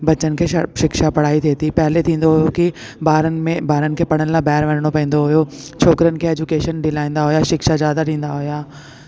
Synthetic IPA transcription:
bɐt͡ɕənɪ̆kʰeːʃɪkʃapɐɽ̤aːit̪ʰeːt̪ʰipɛɦlet̪ʰĩːn̆d̪oɦʊjoki | baːɾənmẽbaːɾənɪ̆kʰeːpɐɽ̤̃ənɪlabaːɾʋɐnəɽ̃opɐ̃ĩːn̆d̪oɦʊjot͡ɕʰoːkɾijənɪ̆kʰeːeːd͡ʑukeːʃənɖɪlaːĩːn̆d̪aɦʊjaʃɪkʃazjaːd̪aɗĩːn̆d̪aɦʊjaː

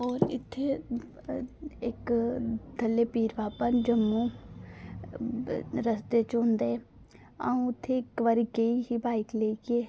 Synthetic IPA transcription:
ɔːɾɪ̰t̪ʰːe | ɪkd̪ʱəlːeːpiːɾʋaːpənd͡ʒəmːũː | ɾəsd̪eːt͡ʃõːnd̪eː | a̰ũʊt̪ʰːekʋəɾiɡeiɦiːbaːɪkleːkeː

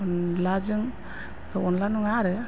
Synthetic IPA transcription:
nlad͡ʒɯŋ | ɔnlanuŋaɾɯ

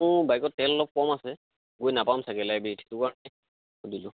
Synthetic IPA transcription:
ʊbajkɔtːɛlɔlɔp̚kɔmasɛ | ɡojnapamsaɡɛlajbitʰi̥tʊkaɹɔnɛ | xodilʊ

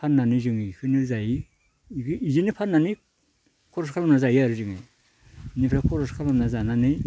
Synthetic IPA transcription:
pʰanːanizɯŋikʰɯniɾzaji | izinipʰanːani | kʰɔɾɔskʰalamnazajiaɾɯzɯŋe | nipʰɾakʰɔɾɔskʰalamnazananɯj

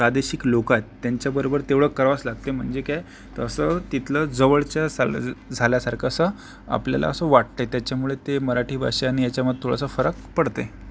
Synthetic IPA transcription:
pɾad̪eɕiklokat̪ːjaɲt͡ɕjabəɾobəɾt̪eʋɭ̤əkːəɾʋat͡slaɡ̚t̪em̤əɳd͡zekaj | t̪əəsət̪it̪ʰləd͡zəʋəɭt͡ɕjasad͡zʱaljasaɾkʰasə | a̰plja̰la̰əsəʋaʈ̚t̪et̪jat͡ɕjamuɭet̪eməɾaʈʰiːbʱa̰ɕeaɽ̃ijat͡ɕjaməd̪̚ʱt̪ʰoɽ̤a̰səfəɾəkpəɽt̪ḛ

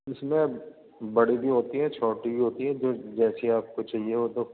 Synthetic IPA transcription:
ʊsmẽ | bɐɽibʱiɦoːt̪iɦɛ̃t͡ʃʰoːʈibʱiɦoːt̪iɦɛ̃d͡ʒoːd͡ʒɛːsiaːp̚kot͡ʃaːɦieʋoːt̪o

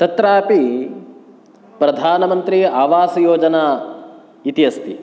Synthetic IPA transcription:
t̪ɐt̪ɾaːpi | pɾɐd̪ʱaːnɐmɐnt̪ɾiaːʋaːsɐjoːd͡ʒɐnaː | it̪iɐst̪i

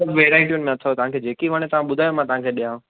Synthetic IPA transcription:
ɐbʋeːɾaːɪʈijʊnɪmẽɐt̪ʰot̪ɐʋ̤ãkʰeːd͡ʑeːkiʋɐɽ̃et̪ɐʋ̤ãɓʊd̪ʱaːjomãt̪ɐʋ̤ãkʰeːɗijã

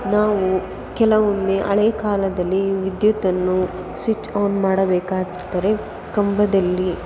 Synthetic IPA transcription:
naːʋu | kɛlɐʋonːeʔɐ̰ɭeːɐkaːlɐd̪ɐlːiʋid̪jut̪ɐnːu | sʋit͡ʃːoːnmaːɽɐbɛːkaːɡ | t̪ːɐɾe̞ | kɐmbɐd̪ɐlːi

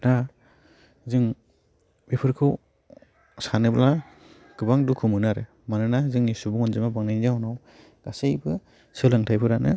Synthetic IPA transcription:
ɾa | zɯŋ | bepʰɯɾkʰɯw | sanɯbala | ɡ̥ɯbaŋdukʰɯmɯnaɾɯ | manɯnazɯŋnisubuŋɔnzɯmabaŋnajnzahɔnaw | ɡ̥asejbɯ | sɯlaŋtʰajpʰɯɾanɯ

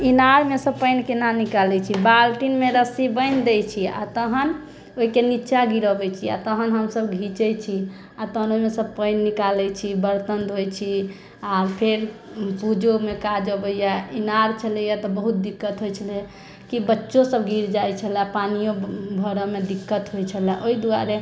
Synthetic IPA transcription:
inaɾmesəpəɪnkenanikalɛt͡ʃʰibalʈinmeɾəsibəɪnd̪ɛt͡ʃʰia̰t̪əɦən | oɦikenit͡ʃaɡiɾəbɛt͡ʃʰia̰t̪əɦənɦəmsəbɡʱit͡ʃɛt͡ʃʰi | at̪əɦnomesəb̚pəɪnːikalɛt͡ʃʰibəɾt̪ənd̪ɦojt͡ʃʰi | apʰeɾ | pud͡ʒomekad͡ʒəbəjainaɾt͡ʃʰəlɛjat̪ɔbəɦut̪̚d̪ikːət̪ɦojt͡ʃʰəla | kibətːʃosəbɡʱiɾd͡ʒajt͡ʃʰəlapanijõbʱəɾəmed̪ikːət̪ɦojt͡ʃʰəlɛʔoid̪ua̰ɾe

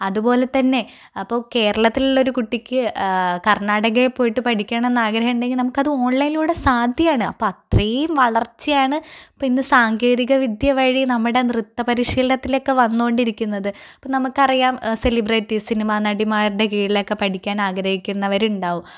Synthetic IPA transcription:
ɐðupo̞ːle̞t̪ɐnːe̞ | ɐpːo̞ːke̞ːɾɐɭɐt̪ːiluɭːo̞ɾukuʈːikʲːɨkɐrnaːɽɐɣɐpːoːjiʈːɨpɐʈʰikʲːaːɳme̞nːaːɡɾɐɦɐmɳɖeŋɡilnɐmukːɐðɨo̞ːɳːɐjiluːɽesaːd̪ʱjɐjaːɳɨɐ̰pːoɐt̪rejumʋɐɭɐrt͡ɕːijaːɳɨɐpːoinːɨsaːŋɡe̞ːðiɣɐʋid̪ʱjɐʋɐɻinɐmːuɽe̞nrɨt̪ːɐpɐɾiʂiːlɐnɐt̪ːilo̞kːe̞ʋɐnːukoɳɖiɾikʲːunːɐðɨɐpːoːnɐmukːɐrijaːmse̞libreːʈːisinimaːnɐɽimaːɾɽekeːjiilo̞kːe̞pɐʈʰikʲːaːnaːɡɾɐhikʲːunːɐʋɐɾuɳɖaːʋum

